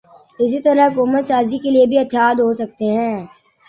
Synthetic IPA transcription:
ɪs̬it̪ɐɾəɦʊkuːmət̪saːzikeliebʱiɐt̪jaːd̪ɦosɐk̚t̪eɦɛ̃ː

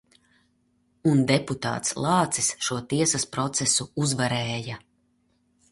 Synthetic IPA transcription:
und̪eput̪a̰ːt̪slˠɑːt̪sisʃuɔt̪iɛsaspɾɔt̪sɛsuuzvaɾɛːja

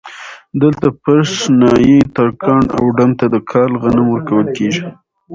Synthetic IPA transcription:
d̪əlt̪apaɾsnɑjet̪ɑkʰɑɳa̰wɖamt̪ad̪əkʰɑlɣanamwəɾkawəlkeʒi

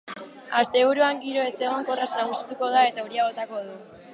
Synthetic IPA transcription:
ast̪e̞βuɾuaŋɡiɾo̞e̞se̞ɣ̞o̞ŋko̞rasnaɣusit̪uko̞ð̞ae̞t̪auɾiaɣ̞o̞t̪ako̞ðu

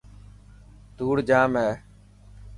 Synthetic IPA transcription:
d̪uːɽd͡ʒaːmɦɛː

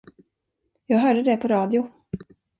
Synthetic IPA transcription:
jɑːɡɦœːɖəd̪ɛpʰɔɾɑːd̪ɪʊ

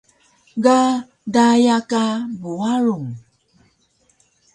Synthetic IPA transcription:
ɡa | dajakabuaɾuŋ

